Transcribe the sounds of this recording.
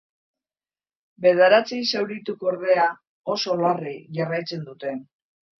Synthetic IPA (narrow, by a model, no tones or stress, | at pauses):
be̞ðaɾat͡sisewɾit̪ukoɾð̞e̞a | o̞so̞lariʝarajt͡se̞nd̪ut̪e̞